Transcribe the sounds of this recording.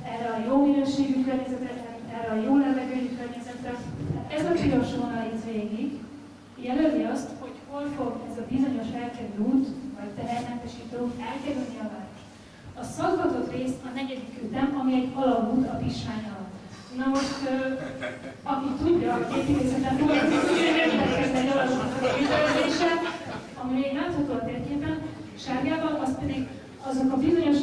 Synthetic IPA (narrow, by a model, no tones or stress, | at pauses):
ɛrːɛɒjominøːʃeːɡykørɲɛzɛt̪ɛt̪rɛnɛrɛɒjoːlɛvɛɡøːɟykørɲɛzɛt̪rɛɛzɒʒiɾoʃoːnɒlit̪ʋeːɡiɡ | jɛlølviɒst̪ho̞cho̞lfo̞ɡɛzɒbizo̞ɲo̞ʃhɛlkɛvøuːt̪vɒct̪ɛɦɛrmɛnt̪ɛʃiːt̪okɛlkɛɾylniɒvaːɾoʃ | ɒsɒɡɡɒt̪o̞t̪reːsɒnɛɟɛd̪ikøːt̪ɛmɒmiɛɟɒlɒbuːt̪ɒviʃmaːɲɒlt̪ | nɒɦoʃt̪ | ɒkit̪uɟːɒkeːt̪it̪eːsɛt̪ɛmozizujɛnezbɛkɛzd̪ɛɒlɒsnɒkɒit̪ɛlɛd̪eːʃɛt̪ | ɒmiɛnɛmt̪ut̪ːot̪eːrkeːpɛn | ʃaːɡjaːvɒlɒst̪pɛd̪iɡ | ɒzokɒbizo̞ɲo̞ʃ